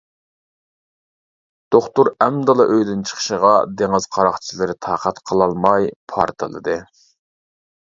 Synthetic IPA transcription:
d̪̥oχt̪uɾɛmd̪ɑlˠɨʔøjd̪ynt͡ʃʰə̥χʰə̥ʃəʁɑd̪eŋɨz̥qʰɑɾɑχt͡ʃʰilˠɨɾɪt̪ʰɑːqʰæt̪qʰəlˠɑlˠmɑjpʰɑ̰ɾt̪ʰɨlˠɨ̰d̪ɨ

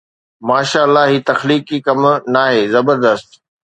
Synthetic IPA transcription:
maːʃaːlːaɦiːt̪ɐxliːkːiːkɐmnaːɦeːzɐbəɾd̪əst̪

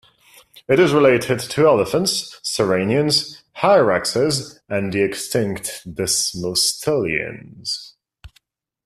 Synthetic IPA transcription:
ɨɾɨzɹɪleɪɾɪd̚tʰɨɛləfə̃ntsːəɹẽɪ̃niɨ̃nz̥ | haɪɹæksɪzɨ̃nðiɨkstɪ̃ŋktd̥ɪsmostʰɪlˠiɨ̰̃nz̥

